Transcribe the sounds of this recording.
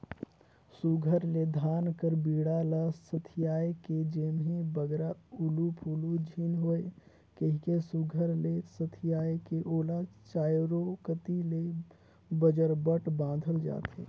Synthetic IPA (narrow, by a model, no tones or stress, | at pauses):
suɡʱəɾled̪ʱaːnkəɾbiːɽalasət̪ʰijaːeked͡ʒeːmẽbəɡɾaulupʰulud͡ʒʱinɦoe | kəɦikesuɡʱəɾlesət̪ʰijaːekeʔoːlat͡ʃaːjɾokət̪ile | bəd͡ʒəɾbəʈbãːnd̪ʱəld͡ʒa̰ːt̪ɦḛː